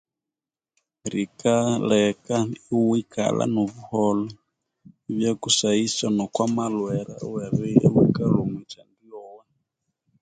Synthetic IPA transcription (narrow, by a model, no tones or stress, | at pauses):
ɾikalɛkaiwika̰la̰nɔβuhɔlɔ | iβjakusaisanɔkwamalwɛɾa̰wɛɾɛiwikalumwɛt͡ʃandiɔwɛ